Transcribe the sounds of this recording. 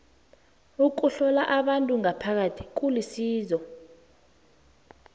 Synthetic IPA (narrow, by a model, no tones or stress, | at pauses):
uk̬ʼuɬɔlaʔaɓantʼuŋapʰak̬atʰi̥k̬ʼulisiːzɔ